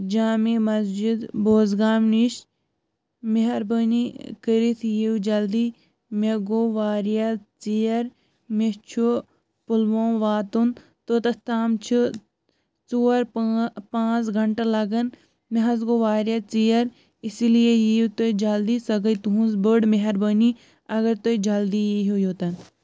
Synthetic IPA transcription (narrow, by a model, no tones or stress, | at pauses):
d͡ʒaːmimɐsd͡ʒid̪boːzɡaːmniʃ | meɦɐɾbənikəɾit̪ʰjiwd͡ʒɐld̪iː | meɡoʋaːɾijat͡sijɐɾ | met͡ʃʰu | pulʋõːʋaːt̪un | t̪ot̪ɐst̪aːmt͡ʃʰu | t͡soːɾpãːt͡sɡʱɐɳʈalɐɡɐn | meɦɐz̬ɡoʋaːɾjat͡sijɐɾ | isilijejiwt̪od͡ʒɐld̪isɐɡəit̪uɦũnzbəɽmeɦɐɾbəni | ɐɡɐɾt̪od͡ʒɐld̪ijiɦojoːt̪ɐn